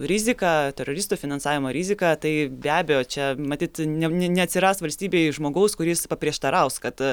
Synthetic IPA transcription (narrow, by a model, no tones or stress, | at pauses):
ɾʲɪzʲɪkɑtʲɛɾoːɾʲɪst̪uːfʲɪnɐnsɑːʋʲɪmoːɾʲɪzʲɪkɑːt̪ɐɪbʲæːbʲɛjoːt͡ʃʲɛmɐt̪ʲiːt̪nʲɛnʲɛnʲɛɐtʲsʲɪɾɑːst̪ʋɐlʲsʲt̪ʲiːbʲeːɪʒmoːɡɐʊskʊɾʲɪspɐpʲɾʲiɛʃt̪ɐɾɐʊskɐt̪